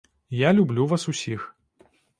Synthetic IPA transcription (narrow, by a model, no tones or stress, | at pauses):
jalʲublʲuvasusʲix